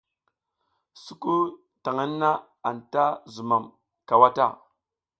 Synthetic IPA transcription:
su˦ku˦ | ta˨ŋa˦nːa˦ | a˨nta˦zu˨ma˨m | ka˨wa˦ta̰˦˨

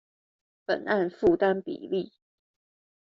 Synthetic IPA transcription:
pə˨˩nʔa˥˨nfu˥˨t̪a˦npḭ˨˩li˥˨

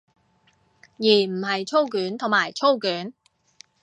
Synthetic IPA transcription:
jiː˨˩m̩˨˩hɐ˨jt͡ʃʰo˥wkyː˨˥nt̪ʰʊ˨˩ŋmaː˨˩jt͡ʃʰo˥wkyː˨˥n

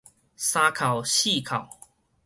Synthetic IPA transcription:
sa˧kʰa˨˩wɕi˥˧˨kʰa˨˩w

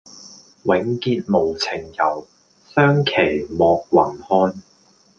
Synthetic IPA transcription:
wɪ˨˥ŋkiː˧t̚mo˨˩wt͡sʰɪ˨˩ŋjɐ˨˩w | sœː˥ŋkʰe˨˩jmɔː˨˧k̚wɐ˨˩nhɔː˧n

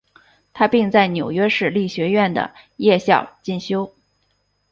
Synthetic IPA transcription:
t̪ʰa˥pi˥˧ŋt͡sa˥˩ɪnjo˨˩ʊɥɛ˥ʂɻ̩˥˩li˥˩ɕɥɛ˧˥ɥɛ˥˩nd̪ə̰˩ | jɛ˥˧ɕjɑ˥˧ʊt͡ɕi˥˩nɕjo˥ʊ

